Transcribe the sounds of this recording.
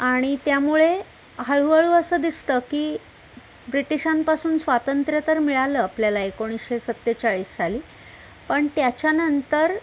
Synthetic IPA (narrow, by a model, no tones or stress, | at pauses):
aɽ̃it̪jamuɭe | ɦəɭuʋəɭuːəsəd̪ist̪əːkiː | bɾiʈiɕampasuːnsʋat̪ənt̪ɾjət̪əɾmiɭaləːapljalaekoɽ̃iːsɕesət̪ːet͡ɕaɭiːsd͡zaliː | pəɳt̪jat͡ɕjanənt̪əɾ